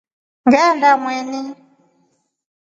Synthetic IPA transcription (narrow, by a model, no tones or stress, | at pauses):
ŋɡɛndamwɛni